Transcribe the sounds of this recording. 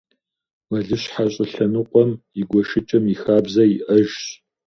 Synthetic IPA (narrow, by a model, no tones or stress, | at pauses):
wɐɮɨɕħaɕʼɪɬɐnɨqʷʼɔmiɡʷɔʃɪt͡ʃʼɐmixaːbzɐiʔɐʒɕ